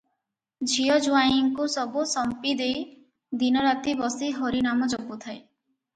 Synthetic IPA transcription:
d͡ʒʱiɔd͡ʒuajiŋkusɔbusɔmpid̪ej | d̪inɔɾat̪ibɔsiɦɔɾinamɔd͡ʒɔbut̪ʰae

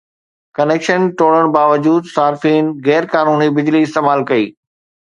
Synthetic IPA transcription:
kɐneːkʃənʈoːɽəɽ̃baːʋəd͡ʑuːd̪saːɾfiːnɣɛːɾkaːnuːnibɪd͡ʑliɪst̪eːmaːlkɐḭː

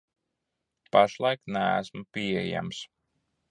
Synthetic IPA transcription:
paʃlˠajknææ̰smupiɛja̰ms

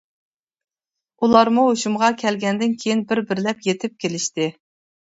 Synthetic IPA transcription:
ulˠɑɾmuɦoʃumʁɑkʲʰɛlɡʲɛnd̪ɪnkʲʰejinbɪɾbɪɾlɛpjet̪ʰɪp̚kʲʰelɪʃt̪ɪ

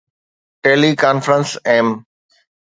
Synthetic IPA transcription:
ʈeːlikaːnfɾə̃nsɛ̃ːm

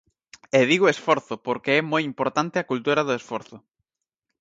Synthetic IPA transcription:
eðiɣoesfɔɾθʊpoɾkɪɛmojimpoɾt̪ant̪ɪɐkult̪uɾɐðʊesfɔɾθʊ

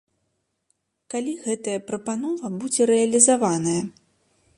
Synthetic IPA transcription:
kalʲiɣɛt̪ɐjɐpɾɐpanɔvɐbud͡zʲɛɾɛɐlʲizavanɐjɐ

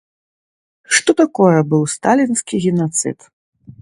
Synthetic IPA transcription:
ʂt̪ɔt̪akɔjɛbɨwst̪alʲinskʲiɣʲinat̪sɨ̰t̪

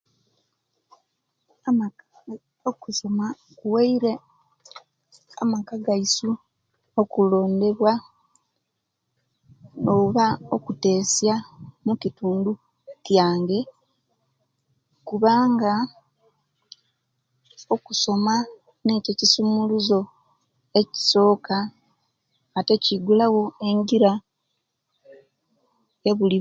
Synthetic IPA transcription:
okuso̞ma | kuweiɾe | a̰makaɡaisu | okulo̞ːnde̞βwa | oβao̞kute̞ːsjamucituːndu | kjaːŋɡe̞ | kuβaːŋɡa | o̞kuso̞ma | ne̞ːcecisumuluzo̞ | e̞ci̥so̞ːka | te̞ciɡulawo̞e̞ɲɡiɾa | jeβuli

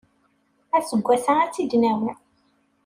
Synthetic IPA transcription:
æsəɡʷːæsaæt͡sːid̪næwən

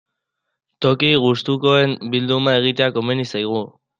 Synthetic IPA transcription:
t̪o̞kiɣust̪uko̞e̞mbild̪umae̞ɣ̞it̪eako̞menisajɣ̞u

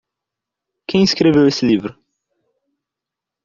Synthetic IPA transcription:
kẽj̃iskɾevewesɪlivɾʊ

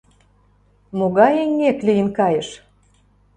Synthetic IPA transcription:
moɣɑjenʲːeklijənkɑjə̆ʃ

